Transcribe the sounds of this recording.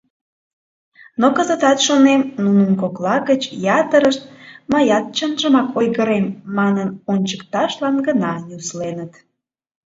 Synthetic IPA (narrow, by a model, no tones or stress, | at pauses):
nokəzə̆t̪ɑt̪ʃonemnunəmkoklɑɣət͡ɕjɑt̪əɾəʃt̪̚məjɑt̪̚t͡ɕənʒəmɑkʰojɣəɾemːɑnənonʲt͡ɕəkt̪ɑʃlɑnɡənɑnʲuslenət̪